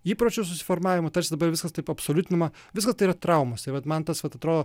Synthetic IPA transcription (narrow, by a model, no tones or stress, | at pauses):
iːpɾoːt͡ʃʲus̬ʊsʲɪ̥foɾmɑːʋʲɪmɐt̪ɐɾʲsʲɪd̪ɐbɐɾʋʲɪskɐst̪ɐɪpɐpsoːlʲʊt̪ʲɪnʲɪmɐ | ʋʲɪskɐst̪ɐɪiɾɐt̪ɾɐʊmɐsɪʋɐt̪mɐnt̪ɐsʋɐt̪ɐt̪ɾoːd̪oː